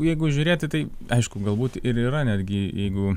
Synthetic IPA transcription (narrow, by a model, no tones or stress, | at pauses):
jɛɪɡʊʒʲʊɾʲeːt̪ʲɪt̪ɐɪɐɪʃkʊɡɐlˠbuːt̪ɪɾiːɾɐnʲæːd̪ʲɡʲɪjɛɪɡʊ